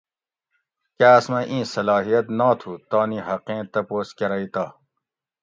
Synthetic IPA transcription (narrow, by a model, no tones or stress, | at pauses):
kaːsmɐ̃ʔĩːsɐlɑːɦijɐt̪naːt̪ʰuːt̪ãːniːɦɐqẽːt̪ɐpoːskɐɾɐit̪aː